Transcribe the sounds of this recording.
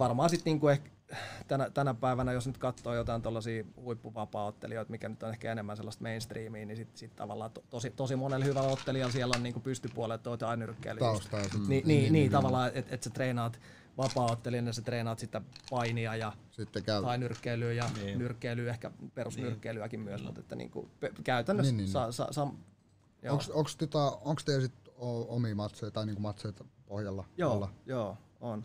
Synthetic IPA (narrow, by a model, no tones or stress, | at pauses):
ʋɑrmɑːsit̪niːŋkuehk | t̪ænæt̪ænæpæiʋænæjosnyt̪kɑt̪ːoːjot̪ɑint̪olːɑsiːhuipːuʋɑpɑːot̪ːḛlioit̪mikænyt̪ːonehkæenemːænselːɑst̪meinst̪riːmiːnisit̪sit̪t̪ɑ̰ʋɑ̰lːɑːt̪ot̪osit̪osimonelhyʋælot̪ːeliɑlsiɛlːonniːŋkupyst̪ypuɑlet̪toʋot̪ɑinyrkːḛilyst̪ɑsniːniːniːt̪ɑʋɑlːˑɑːeet̪et̪set̪reːnɑːt̪ | ʋɑpɑːot̪ːeliɑnjɑset̪reːnɑːt̪sit̪ːæpɑiniɑjɑsit̪ːekæyɑinyrkːeilyːjɑnnyrkːeilyːehkæperusnyrkːeilyækimmyøsmṵt̪ḛt̪ːænḭːŋkṵpekæyt̪ænːøsɑsɑ̰sɑm | jooŋksoŋkst̪ot̪ɑoŋkst̪eesit̪oomiːmɑt̪seit̪ɑiniːŋkumɑt̪seit̪ɑpohjɑlːɑjoːɑjoː | on